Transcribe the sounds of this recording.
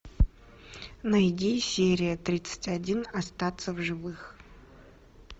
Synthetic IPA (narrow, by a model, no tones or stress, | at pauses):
nəɪdʲesʲeɾʲɪjət̪ɾʲit̪sɨ̥tʲɐdʲinɐst̪at̪səvʐɨvɨx